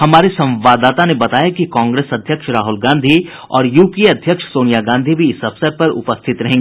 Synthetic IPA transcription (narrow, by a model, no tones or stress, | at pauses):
ɦɐmaːɾesɐ̃mʋaːd̪aːt̪anebɐt̪aːjakikɔ̃ːŋɡɾeːsɐd̪ʱjəkʃɾaːɦʊlɡãːnd̪ʱi | ɔːɾjuːpiɐd̪ʱjəkʃsoːnijaɡãːnd̪ʱibʱiɪsɐfsəɾpɐɾʊ̰pəst̪ʰɪt̪ɾɐɦẽːŋɡeeː